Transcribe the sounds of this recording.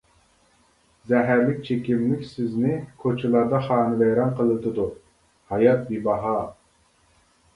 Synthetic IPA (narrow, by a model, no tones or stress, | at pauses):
zɛɦæɾlɪk̚ʲt͡ʃʰekʲimlɪkʲsɪznɪkʰot͡ʃʰɨlˠɑɾd̪ɑχɑːnɨvɛjɾɑnqʰəlˠɨt̪ɨd̪u | hɑjɑt̪̚bibɑɦɑ